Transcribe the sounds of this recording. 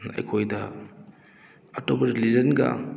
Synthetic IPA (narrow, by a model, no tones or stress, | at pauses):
nɐ̰jkʰojdɐ | ɐtobɐɾilizɐnɡɐ̰